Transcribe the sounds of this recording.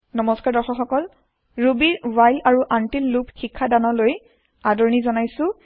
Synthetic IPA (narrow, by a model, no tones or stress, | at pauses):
nɔmɔskaɹdɔɹxɔxɔkɔl | ɹubiɹwajlaɹuʔantilːupxikʰːadanɔloj | adɔɹnizɔnajsʊ̃